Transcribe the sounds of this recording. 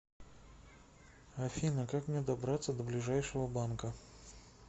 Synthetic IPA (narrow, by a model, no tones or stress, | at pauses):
ɐfʲinəkakmnʲed̪ɐbɾat̪sːəd̪əblʲɪʐajʂɨvəbankə